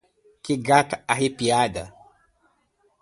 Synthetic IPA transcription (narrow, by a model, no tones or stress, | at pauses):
kɪɡat̪aaɦepiad̪ɐ